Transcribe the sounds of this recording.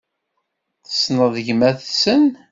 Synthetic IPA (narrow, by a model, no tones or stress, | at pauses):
θə̥snəðəʝmæθsən